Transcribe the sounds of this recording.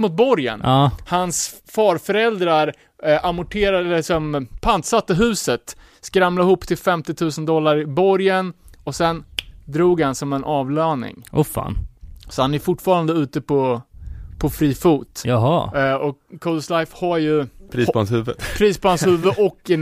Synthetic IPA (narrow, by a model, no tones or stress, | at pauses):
mʊt̪̚bɔɾjə̰nɑːhans | fɑːɾfœɾɛld̪ɾaɾ | ʔamʊʈʰeːɾaɛlɪsɔmpʰant̪sat̪ːəɦʉ̟ːsət̪ | skɾamlad̪ɦʊːpːt̪ʰɪlfɛmt̪ɪt̪ʰʉ̟ːsənd̪ɔlːaɾɪbɔɾjənɔsɛnd̪ɾuːɡhansɔmɛnʔɑːvlœːnɪ̰ŋʔʊfa̰ːnsɔhanæɾfʊʈːfɑːɾand̪əʉ̟ːt̪əpʰɔ | pʰɔfɾiːfuːt̪jaɦɑɔkʰɔd̪slajfhaɾjɵpʰɾiːsɔa̰nshʉ̟ːvə̰pʰɾiːspʰɔhanshʉ̟ːvəʔɔkː